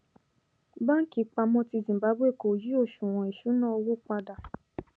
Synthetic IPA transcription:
ba˦ŋ̩˦ki˨˦k͡pa˧mɔ̃˧ti˧zĩ˨ba˨˦be˦˨ko˨ji˦o˦˨ʃũ˨w̃ɔ̃˨i˨ʃu˨˦nã˦o˧wo˦k͡pa˧da˨

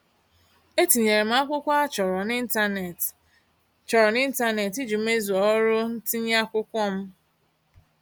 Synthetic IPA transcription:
e˦ti˨ɲe˨ɾe˨m̩˦a˦kʷʊ˦kʷa˦a˦t͡ʃɔ˨ɾɔ˨n˦˨ | t͡ʃɔ˨ɾɔ˨ni˦n̩˦ta˦ne˨ti˦d͡ʒu˨m̩˦e˦zu˨ɔ˦ɾʊ˦n̩˦ti˦ɲ˦a˦kʷʊ˦kʷɔ˦m̩˦

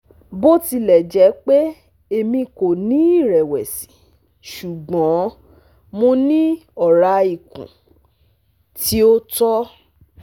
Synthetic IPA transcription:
bo˦ti˧lɛ˨d͡ʒɛ˨˦k͡pe˦ | e˧˨mĩ˧ko˨nĩ˨˦i˦˨ɾɛ˨wɛ˨sĩ̥˨˦ | ʃu˨ɡ͡bɔ̃˨˦ | mõ˧nĩ˦ɔ˦˨ɾa˨˧i˨kṵ̃˨ | ti˨˦o˦tɔ˦

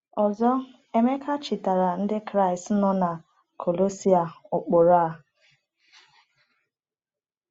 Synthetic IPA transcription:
ɔ˨zɔ˦ | e˦me˦kʰa˦t͡ʃɪ˨ta˨ɾa˨n̩˦dɪ˦kɾa˦˨i˨st̩˦nɔ˦na˨ | kʰo˨lo˦si˦a˨ʊ˨k͡po˨ɾa˦˨˦

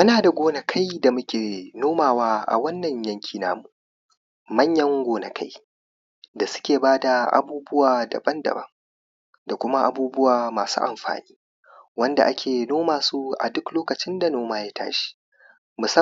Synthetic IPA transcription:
ʔɐ˦naː˨da˨ɡʷoː˦nɐ˦kʰa˦jda˨mʊ˦kʲeː˨noː˦maː˨waː˦ʔa̰˨wɐ˦nːɐ˨ɲjɐ˦ŋkʲʰiː˨na̰ː˦mu˨ | mɐ˦ɲjɐ˦ŋɡʷoː˨nɐ˨kʰa˦j | da˨sʊ̥˦kʲeː˨baː˦da˨ʔa̰˨buː˦bʊ˦waː˨dɐ̰˨bɐ˦ndɐ̰˨bɐ̰˦ŋ | da˨kʷʊ˦ma˦ʔa̰˨buː˦bʊ˦waː˨maː˨sṵː˦ʔa̰˨mɸa̰ː˨niː˦ | wɐ˦nda̰˨ʔa˦kʲeː˨noː˦maː˨suː˦ʔa̰˨dʊ˦kloː˦kɐ˨t͡ʃɪ˦nda˨noː˦maː˦jaː˦tʰa̰ː˦ʃi̥˦ | mʊ˨sɐ˦

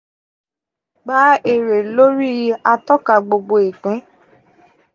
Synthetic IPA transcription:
ɡ͡ba˨˦e˦˨ɾe˨lo˦ɾi˦˨˦a˧tɔ˦ka˧ɡ͡bo˧ɡ͡bo˧i˨kɛ̃˨˦

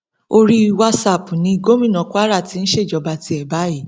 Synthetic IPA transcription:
o˧ɾi˦wa˦sa˦˨pu˨nĩ˨˧ɡo˦mĩ˦˨nɔ̃˨ku˦a˦ɾa˦˨ti˨˦n̩˦ʃe˦˨d͡ʒɔ˧ba˧ti˧ɛ˨ba˨˦i˦˨

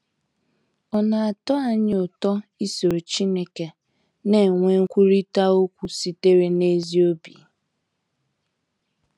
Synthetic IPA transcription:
ɔ˨na˨a˨tɔ˦a˦ɲɪ˦ʊ˨tɔ˦i˦so˨ɾo˨t͡ʃi˦ne˦ke˨ | ne˨ŋʷe˦ŋ̩˦kʷu˦ɾi˦ta˦o˦kʷu˦si˦te˦ɾe˨˦ne˦zi˦o˦bḭ˨

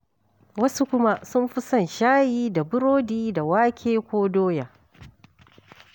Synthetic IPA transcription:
wɐ˦su˦kʷʊ˦ma˦sʊ˦mɸɪ˦sɐ˦˨nʃaː˦jiː˦da˨bʊ˦ɾoː˦diː˦da˨waː˦kʲʰeː˦kʷoː˦doː˦jaː˨

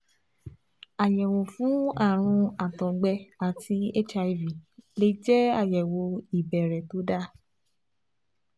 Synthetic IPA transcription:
a˨jɛ˨wo˨fũ˨˦a˦˨ɾ̃ũ˧a˨tɔ̃˨ɡ͡bɛ˧a˨tʰi˧e˦t͡ʃa˧˦˨vi˨le˧d͡ʒɛ˦a˦˨jɛ˨wo˧i˨bɛ˨ɾɛ˨to˨˦da˦˨

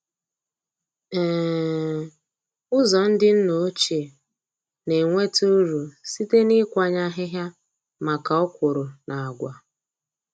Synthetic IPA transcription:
ɛː˨ | ʊ˦zɔ˨n̩˦dɪ˦n̩˦no˨˦t͡ʃe˨ | ne˨ŋʷe˦tu˦ɾu˨si˦te˦ni˦kʷa˦˨ɲa˦ɦɪ˦ɦja˦ | ma˨ka˨ɔ˦kʷʊ˨ɾʊ˨na˨a˨ɡʷa˨

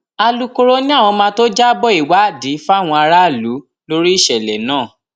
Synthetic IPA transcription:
a˧lu˧ko˧ɾo˦nĩ˦a˦˨w̃ɔ̃˧mãː˧˦to˦d͡ʒa˦bɔ˦˨i˦˨wa˨˦˨di˨˦fu˦a˦˨w̃ɔ̃˧a˧ɾa˦˨lu˨˦ | lo˦ɾi˦i˦˨ʃɛ˨lɛ˨nãː˦˨

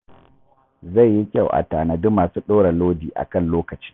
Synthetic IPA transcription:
za˦˨jːi˦kʲa˦˨wʔa̰˨taː˨na˨dʊ˦maː˨suː˦ɗoː˦ɽa˨loː˦diː˨ʔa̰˨kɐ˦nloː˦kɐ˨t͡ʃi̥ː˦

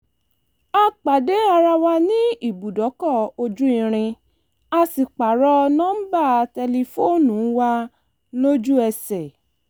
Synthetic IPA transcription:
a˧k͡pa˨de˨˦a˧ɾa˧wa˧nĩ˦i˦˨bu˨dɔ˨˦kɔ˦˨o˧d͡ʒu˦ĩ˦˧ɾ̃ĩ˧ | a˧si˨k͡pa˨ɾɔ˧nã˦ba˦˨tɛ˧li˧fo˦nũ˨˦wa˧ | lo˦d͡ʒu˦ɛ˧sɛ˨

